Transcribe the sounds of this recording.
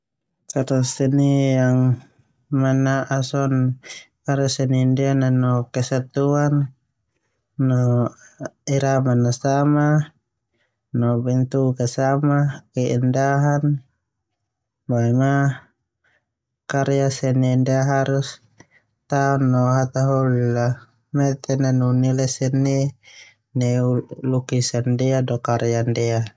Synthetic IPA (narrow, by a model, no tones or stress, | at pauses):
kaɾasɛnijaŋ | manaʔasɔnkaɾasɛnindɛananɔkɛsat̪uan | ɔ | iɾamanːasama | nɔbɛnt̪ukasamakɛindaɦan | baima | kaɾiasɛnɛndeaɦaɾus | t̪aɔnːɔɦat̪aɦɔlːa | mɛt̪ɛnanunilɛsɛnːɛ | nɛulukisandɛadɔkaɾjandɛa